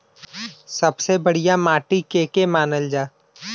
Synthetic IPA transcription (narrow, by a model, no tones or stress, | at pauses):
sɐbsebɐɽ̤ijamaːʈikeːkemaːnəld͡ʒaː